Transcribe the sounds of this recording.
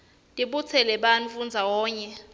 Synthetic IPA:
tʼiɓut͡sʰɛlɛɓanfund͡zʱawɔːɲɛ

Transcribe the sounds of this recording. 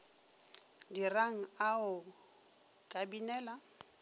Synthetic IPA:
diraŋ̩aʊ | kʼabinɛːla

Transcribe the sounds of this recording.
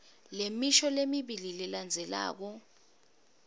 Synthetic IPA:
lemiʃɔlemiɓililɛland͡zʱɛla̰ːk̬ɔ

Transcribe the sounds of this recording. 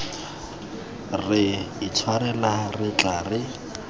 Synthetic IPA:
rɪit͡sʰwaɾɛnarɪt͡ɬaːrɪ

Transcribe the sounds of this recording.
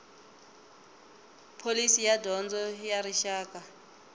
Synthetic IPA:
pʰolisijadɔnd͡zɔjaɾiʃaːka

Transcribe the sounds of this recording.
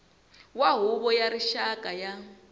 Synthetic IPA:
waɦuβɔjaɾiʃakʼaja

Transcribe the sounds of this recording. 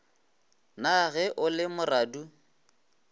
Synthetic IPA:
naɣɛʔʊlɪmʊraːdu

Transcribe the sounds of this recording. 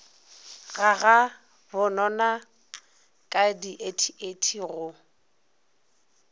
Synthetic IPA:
ɣaɣa | bʊnɔna | kʼadiʔetʰietʰiɣʊ

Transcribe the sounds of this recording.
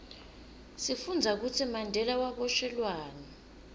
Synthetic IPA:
sifund͡zʱak̬utʰimandʱɛlawaɓɔʃɛlwaːna

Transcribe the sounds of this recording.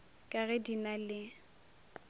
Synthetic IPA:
kʼaɣɛdinalɪ

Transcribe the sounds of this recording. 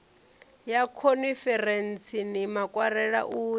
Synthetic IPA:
jakʰonifɛrent͡sʰinimakʼwaɾɛɺa̰ʔuː

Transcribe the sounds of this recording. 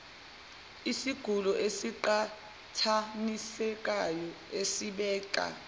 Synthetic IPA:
isiɡ̥ʱulɔʔesiǃa | tʰanisɛk̬ʼajɔ | esiɓɛːkʼa̰

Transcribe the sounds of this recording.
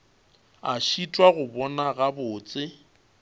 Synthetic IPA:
aʃitʼwaɣʊbɔnaɣabʊːt͡sʼɪ

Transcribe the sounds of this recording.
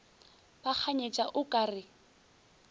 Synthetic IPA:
bak͡xʰaɲet͡ʃʼaʔʊkʼaːrɪ

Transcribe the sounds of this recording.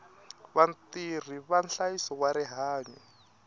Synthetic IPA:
βant̪ir̤iβanɬajisɔkwaɾɛɦaːɲwɛ

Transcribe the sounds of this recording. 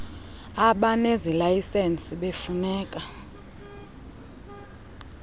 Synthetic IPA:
aɓanezilajisensʼiɓefunɛːkʼa

